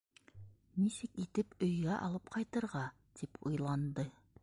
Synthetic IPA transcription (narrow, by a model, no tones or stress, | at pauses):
nisɘkit̪ɘpɵ̆jɡæʔɑ̰lˠɤp̚qʰɑjt̪ɤ̆ɾʁɑ | d̪̥ipʰujlˠɑnd̪ɤ